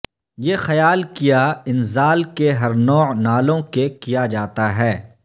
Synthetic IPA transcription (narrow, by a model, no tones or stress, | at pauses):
jeːxɐjaːlkijaɪnzaːlkeɦɐɾnɔːnaːlõkekijad͡ʒaːt̪aɦɛː